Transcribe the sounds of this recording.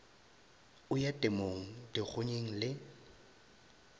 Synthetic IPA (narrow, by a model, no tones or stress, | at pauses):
ʊjatʼɪmoŋ̩dɪk͡xʰʊɲeŋ̩lɪ